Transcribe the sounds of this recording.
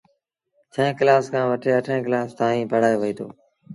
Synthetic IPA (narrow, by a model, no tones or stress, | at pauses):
t͡ʃʰə̃ẽːklaːskʰãːʋəʈʰeːəʈʰẽːklaːst̪aːɦĩːpəɽ̤aːjoːʋəiːt̪ʰo̰ː